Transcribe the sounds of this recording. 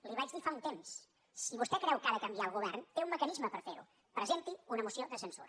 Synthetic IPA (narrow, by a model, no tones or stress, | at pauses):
liβad͡ʒdðifaunt̪emsː | iβust̪ɛkɾɛwkaðəkəmbiaəlˠɣuβ̞ɛrnfeumːəkənizməpəɾfeɾṵ | pɾəzent̪iunəmusioðəsənsuɾ